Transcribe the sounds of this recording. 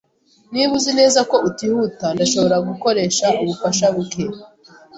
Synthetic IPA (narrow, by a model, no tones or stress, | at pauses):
niβuzine̞ːzako̞utihutandaʃo̞βo̞ɾaɡuko̞ɾe̞ːʃaʔuβufaʃaβuke